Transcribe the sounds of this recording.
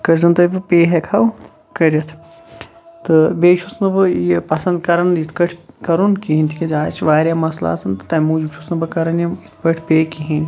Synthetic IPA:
kɐɾzɐnt̪ɐbɨpeːɦekʰaw | kɐɾʲjɐt̪ʰ | t̪ɨbeːʃʰusnɨbɨjepɐsɐ̃nd̪kɐɾɐnit̪ʰkɐʈʰkɐɾunkiɦinʲt̪ʰikʰʲɐd͡ʒʲaːt͡ʃʋaːɾjaːmɐsla̰ːsɐnt̪ɨ̥t̪ɐmuːd͡ʒibʃʰusnɐbɨkɐɾɐnjɐmit̪ʰkɐʈʰpeːkiɦĩn

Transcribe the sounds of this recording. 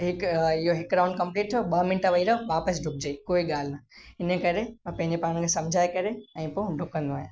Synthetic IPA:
ɦɪkɪɦoɦɪk̚ɡɾãːʊ̃ɳɖ̚kɐ̃mpliːʈ̚t̪ʰoɓɐmɪnʈəʋɐiɾəʋaːpəsɖʱʊk̚d͡ʑeːikoːiɠaːl̤naɪnəkɐɾepɐ̃ɦɪ̃ɲd͡ʑepaːɽ̃kʰesɐ̃md͡ʑʱaːekɐɾeɛ̃ːpõɖʱʊkə̃nd̪oaːɦja

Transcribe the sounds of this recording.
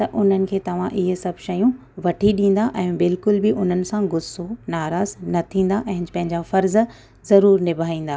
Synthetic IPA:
t̪ɐʔʊn̤ənɪ̆kʰeːt̪ɐʋ̤ãʔɪɦsɐbʱʃɐjũ | ʋɐʈʰiɗĩːn̆d̪aʔɛ̃ːbɪlkʊlbɪʔʊn̤ənɪ̆sãɡʊsonaːɾaːznɐt̪ʰĩːn̆d̪aʔɛ̃ɦɪ̃d͡ʑpɐ̃ɦɪ̃ɲd͡ʑafɐɾz | zɐɾuːɾnɪbʱaːĩːn̆d̪aː

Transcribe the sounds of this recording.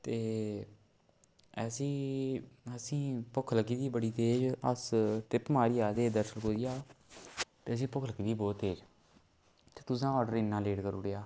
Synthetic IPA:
t̪eː | ɛːsĩː | əsĩːpʊkʰləɡiːd̪iːbəɽiːt̪eːd͡ʒəst̪ɪpmaːɾiːaːd̪eːd̪əɾsəlkoːd͡ʒijaː | t̪eːəs̬ĩːpʊkʰləɡiːd̪iːbɔːt̪ːeːd͡ʒ | t̪eːt̪ʊs̬ãːɔːɖəɾɪnːãːleːɖkəɾuːɽejaː

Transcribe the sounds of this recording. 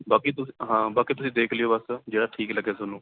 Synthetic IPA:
baːkiːt̪ʊɦãːbaːkiːt̪̬ʊsĩːd̪eːkʰlɪjoːbəsd͡ʒeːɽaːʈʰiːkləɡeːsonũː

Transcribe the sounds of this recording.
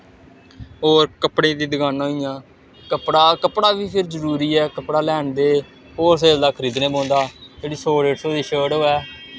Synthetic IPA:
oːɾkəpɽẽːd̪iːd̪əɡaːnaːijãː | kəpɽaːkəpɽaːʋiːpʰɪɾd͡ʒəɾuːɾiːɛːkəpɽaːlɛːɳd̪eː | ɦoːɾs̬eːld̪aːkʰəɾiːd̪nẽːbõːnd̪aːd͡ʒeːɽiːsoːɽeːʈsoːd̪iːʃəːɽɦoːɛː

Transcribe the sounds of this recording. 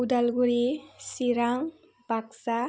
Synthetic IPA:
udalɡuɾisiɾaŋ | b̥aksa

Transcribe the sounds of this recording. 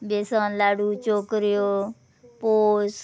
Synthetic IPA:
beːsãːlaːɽuːt͡ʃoːkɾɪjoː | poːs

